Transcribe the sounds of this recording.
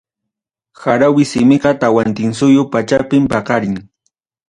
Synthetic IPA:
xaɾawɪsɪmɪɢɑt̪awant̪ɪŋsʊjʊpat͡ʃapɪmpɑqɑɾɪŋ

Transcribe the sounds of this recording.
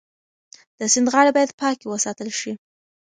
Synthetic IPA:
d̪̥əsɪnd̪ɣɑɽebɑjad̪pɑkewəsɑt̪əlʃi

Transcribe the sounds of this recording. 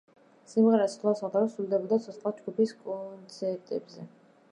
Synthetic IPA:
simʁɛɾasχʰlˠasad̪aɾɔsuld̪ɛbɔd̪at̪sʰɔt̪sqʼlad͡ʒɡupiskʼɔnt̪sʰɛɾt̪ʼɛbzɛ

